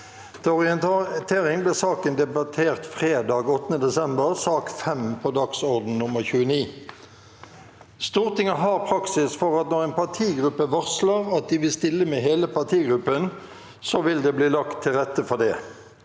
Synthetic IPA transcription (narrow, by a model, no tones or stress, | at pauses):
t̪ʰɛɔʁɪənt̪ʰeːʁɪŋblɪːsɑːkənd̪ɛbɑt̪ʰeːʁt̪fʁeːd̪ɑːɡɔt̪ːənəd̪ɛsɛmbəʁsɑːkfɛmpʰod̪ɑksɔʁd̪n̩nʊməʁçʉːəniː | st̪uːʁt̪ʰɪŋəɦɑːʁpʰʁɑksɪsfɔʁɑt̪nɔʁeːnpɑt̪ʰiːɡʁʉpːəʋɑʁsləʁɑt̪̚d̪ɪʋɪlst̪ɪlːəmɛɦeːləpʰɑʁt̪ʰiːɡʁʉpːən | soʋɪld̪ɛːbliːlɑkt̪ʰːɪlʁɛt̪ːəfɔʁd̪ɛ